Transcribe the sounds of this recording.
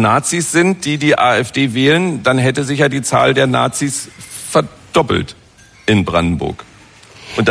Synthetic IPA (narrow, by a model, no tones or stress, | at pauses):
naːt͡sisz̥ɪntd̥iːdiːʔaːɛfd̥eːvɛːlənd̥anɦɛtəzɪçjaːdiːt͡sa̰ːldeːɐna̰ːt͡sisfɛɐ | d̥ɔpl̩t | ʔɪnbʁa̰ndn̩bʊ̰ɐk | ʔʊnt